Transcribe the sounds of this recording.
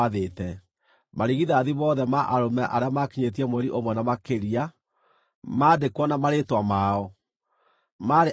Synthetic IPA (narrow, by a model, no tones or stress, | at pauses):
aðetɛ | maɾiɣiðaðiβɔðɛmaʔaɾomɛʔaɾeamakiɲet̬iamwɛɾiʔomwɛnamakeɾia | madekwɔnamaɾetwamaɔ | maɾe